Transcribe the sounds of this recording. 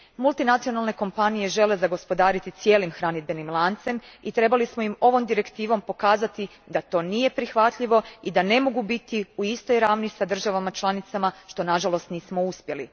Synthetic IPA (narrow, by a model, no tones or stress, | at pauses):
mulˠt̪inat̪sio̞nalˠne̞ko̞mpanije̞ʒe̞le̞zaɡo̞spo̞d̪aːɾit̪it̪sje̞ːlimxɾanid̪̚benimlˠant̪se̞mit̪ɾe̞balismoimo̞ʋo̞md̪iɾe̞kt̪iːʋo̞mpo̞kaːzat̪i | d̪at̪o̞ːnije̞pɾixʋat̪ʎiʋo̞id̪ane̞mo̞ɡubit̪iuist̪o̞jɾaːʋnisad̪r̩ʒaʋamat͡ʃlˠanit̪samaʃt̪o̞naʒalo̞st̪niːsmo̞uspje̞li